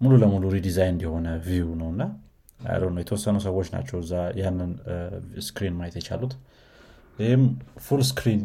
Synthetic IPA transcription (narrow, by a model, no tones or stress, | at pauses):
mululəmuluɾid̪izajnnd̪ɛho̞nəvijunəwɨnːa | a̰j̰lənːəwjɛt̪ʰəwɔsːənus̬əwot͡ʃːna̰t͡ʃːɛwɨzːajanːɨnskɾinmajet̪jɛt͡ʃa̰lut̪ | hɪmfulskɾin